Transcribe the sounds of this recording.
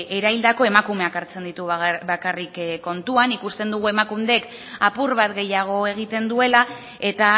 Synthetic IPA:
eɾaild̪ako̞e̞makume̞akaɾt͡se̞nd̪it̪ubakarikkːo̞nt̪uanikust̪e̞nd̪uɣue̞makund̪ek | apuɾβat̪ɡe̞jaɣ̞o̞e̞ɣ̞it̪e̞nd̪ue̞la | e̞t̪a

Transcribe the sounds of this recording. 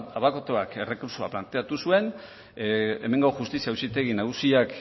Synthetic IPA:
aβako̞t̪oake̞re̞kuɾsoa̰plant̪e̞at̪usue̞n | ḛme̞ŋɡawʝust̪isiausit̪e̞ɣinaɣusiak

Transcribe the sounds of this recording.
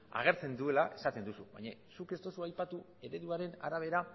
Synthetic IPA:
a̰ɣ̞e̞ɾt͡se̞nd̪ue̞laʔe̞sat̪e̞nd̪usuβa̰jɲasuke̞st̪o̞suajpat̪u | e̞ɾe̞ðuaɾe̞na̰ɾaβ̞e̞ɾa

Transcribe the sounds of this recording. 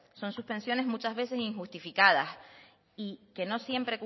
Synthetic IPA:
so̞nsuhpe̞nsjo̞ne̞ɦmut͡ʃazβe̞se̞siŋxust̪ifikað̞as | ike̞no̞sje̞mpɾe̞k

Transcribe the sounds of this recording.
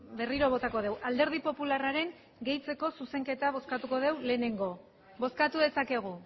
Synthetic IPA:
be̞riɾo̞β̞o̞t̪ako̞ðe̞wʔald̪e̞ɾð̞ipo̞pularaɾe̞ŋ | ɡe̞jt͡se̞ko̞suse̞ŋke̞t̪aβ̞o̞skat̪uko̞ð̞e̞wle̞ːne̞ŋɡo̞ | bo̞skat̪uðe̞sake̞ɣ̞u

